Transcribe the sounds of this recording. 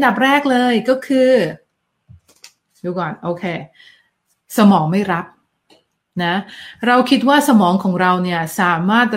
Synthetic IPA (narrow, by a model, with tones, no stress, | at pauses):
da˨˩p̚ɾɛː˥˩k̚lɤː˧jkɔː˥˩kʰɯː˧ | juː˧˩kɔː˨˩nʔoː˧kʰeː˧ | sa˧mɔː˩˦ŋma˥˩jɾa˦˥p̚ | na˦˥ɾa˧wkʰi˦˥t̪̚waː˥˩sa˧mɔː˩˦ŋkʰɔː˩˦ŋɾa˧wni˥˩ɐsaː˨˩˦maː˥˩t̪̚